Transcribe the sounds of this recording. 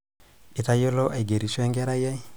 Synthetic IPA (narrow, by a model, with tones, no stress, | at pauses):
i˨ta˨jo˦lɔ˦ʔe˨ɡe˨ɾi˨swɛ˦ŋɡɛ˦ɾa˦jɛ˦